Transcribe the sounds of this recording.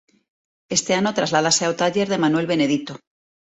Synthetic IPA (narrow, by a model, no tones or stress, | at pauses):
e̞st̪e̞ano̞t̪ɾazlaðaseaot̪aʝe̞ɾðe̞manwe̞lβe̞ne̞ðit̪o